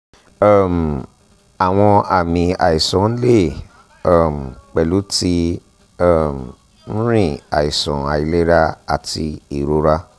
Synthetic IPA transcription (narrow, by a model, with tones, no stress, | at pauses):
a˦˨m̩˨ | a˨w̃ɔ̃˧a˨mĩ˨a̰˨i˨sɔ̃˨n̩˦le˦˨ | a˦˨m̩˨k͡pɛ˨lu˨˦ti˦ | ɔ˦˨m˨ | n̩˦ɾĩ˦˨a̰˨i˨sɔ̰̃˨a˨i˧le˦ɾa˦a˨ti˧i˨ɾo˧ɾa˦